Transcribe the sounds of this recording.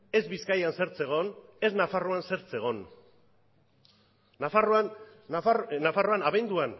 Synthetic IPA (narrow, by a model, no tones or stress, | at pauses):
e̞zβiskajanse̞ɾt͡se̞ɣ̞o̞ne̞znafaroanse̞ɾt͡se̞ɣ̞o̞n | afaroa | nafaroanaβend̪uan